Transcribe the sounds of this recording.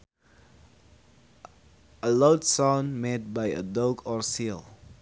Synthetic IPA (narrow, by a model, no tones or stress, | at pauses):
əloʊtsãʊ̃nmet̚baɪə̰dokʰɔɹsilˠ